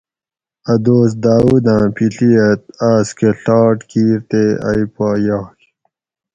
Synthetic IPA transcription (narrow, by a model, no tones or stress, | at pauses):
ɐd̪oːs̬d̪aːwud̪ãːpʰiɬiɐt̪̚aːskeɬɑːʈkiːɾt̪ea̰jipaːjaːk